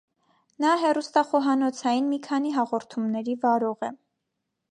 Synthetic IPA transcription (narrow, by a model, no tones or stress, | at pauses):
nɑɦɛrust̪ɑχɔɦɑnɔt͡sʰɑjinmikʰɑniɦɑʁɔɾt̪ʰumnɛɾivɑɾɔʁɛ